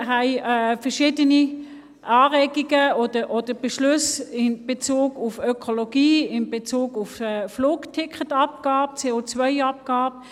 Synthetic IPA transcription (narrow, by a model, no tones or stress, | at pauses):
ɦaɪɛfɛʁʃɪːdəni | ʔɑːʁɛːɡiɡəod̥əʔod̥əb̥eʃlʉsɪnb̥et͡suːɡufœkʰoloɡ̥iːɪnbet͡suːɡufɛfluːktʰɪkʰətɑp̚ɡ̥aːb̚t͡seːot͡svœɪɑp̚ɡ̥aːb